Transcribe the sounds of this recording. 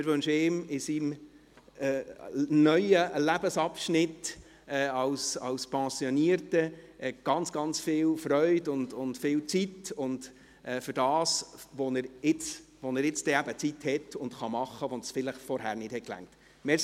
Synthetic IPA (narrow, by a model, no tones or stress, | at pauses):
ɪɾʋɵnʃɪmɪsimː | nœʏəlæbəsɑpʃnɪt | ɛːɑwsɑ̰wspɛ̃ːsjɔniəɾtəʔɛɡ̥ɑnt͡sɡ̥ɑnt͡sfɪːlfɾœʏdʊndʊntfɪːlt͡sitʊnd | ʔɛːfʏɾdɑːsʋɔnəɾɪt͡sʋɔnəɾɪt͡stɛæbət͡sithɛtʊntχɑmɑχːəʋɔnsfɪləχfɔɾhæɾnɪthɛt̚klæ̰ŋ̚t | mɛs